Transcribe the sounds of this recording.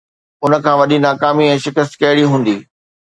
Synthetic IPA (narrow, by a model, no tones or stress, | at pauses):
ʊnə̆kʰãːʋɐɗinaːkaːmiɛ̃ːʃɪkəs̬t̪kɐɦɪɽiɦũːn̆d̪iː